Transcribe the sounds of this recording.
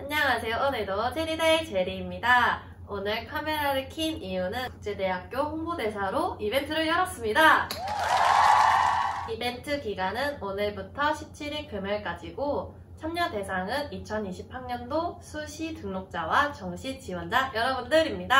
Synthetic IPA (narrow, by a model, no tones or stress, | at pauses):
aɲɲaŋasʰe̞joʔʌnedot͡ɕʰeɾidaet͡ɕe̞ɾiːmɲida | onɯɭkʰame̞ɾaɾɯkʰimijunɯnku̥k̚t͡ɕ͈e̞de̞ɦak̚k͈joɸoŋbode̞sʰaɾoibe̞ntʰɯɾɯɭjʌɾʌs͈ɯmɲida | ibe̞ntʰɯkiɡanɯnonɯɭbutʰʌɕʰip̚t͡ɕʰiɾikɯmjʌɭk͈ad͡ʑiɡo | t͡ɕʰamɲʌnde̞sʰaŋɯnit͡ɕʰʌniɕʰipʰaɲʌndosʰuɕʰitɯŋnok̚t͡ɕ͈awat͡ɕʌŋɕʰit͡ɕiwʌnd͡ʑajʌɾʌbundɯɾimɲida